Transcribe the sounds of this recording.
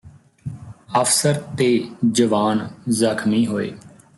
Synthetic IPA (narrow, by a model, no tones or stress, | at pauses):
əfsəɾt̪eːd͡ʒəʋaːnzəkʰmiːɦoːḛː